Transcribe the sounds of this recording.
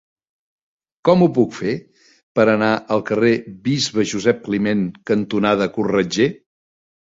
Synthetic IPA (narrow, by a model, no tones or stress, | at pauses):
kɔmupukfe | pəɾənaʔəlˠkəreβizβəʒuzɛp̚klimeŋkənt̪unaðəkurrəd͡ʒe